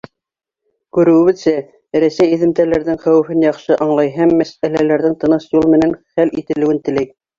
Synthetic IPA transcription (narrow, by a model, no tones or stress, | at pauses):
kʉɾɘ̆wɘ̆βɘðsæ | ɾæsæjĭðɘ̆mt̪ælæɾðɘŋχæwɘ̆fɘnjɑχʃɤʔɑɴlˠɑjɦæmːæsælælæɾðɘŋt̪ɤ̆nɤʃjulˠmɘ̆nænχælit̪ɘ̆lɘ̆wɘnt̪ɘ̆læj